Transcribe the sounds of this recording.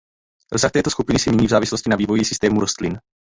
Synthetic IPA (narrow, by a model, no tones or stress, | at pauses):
ɾosaxt̪ɛːt̪oskupɪnɪsɛmɲɛɲiːvzaːvɪsloscɪnaviːvo̞jisɪst̪ɛːmuɾost̪lɪn